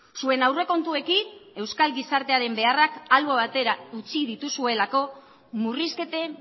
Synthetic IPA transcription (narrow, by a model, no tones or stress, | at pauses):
sue̞nawre̞ko̞nt̪ue̞kine̞wskalɡisaɾt̪e̞aɾe̞mbe̞arakalβoβat̪e̞ɾaut͡siðit̪usue̞lako̞ | muriske̞t̪e̞